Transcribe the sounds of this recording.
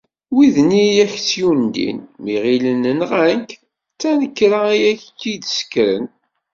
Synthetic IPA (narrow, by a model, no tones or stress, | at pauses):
wiðnijæçt͡sːjund̪ḭnmiʁilənənʁænk | t͡sːænəkːɾaijæçkːid̪sə̥kɾə̰n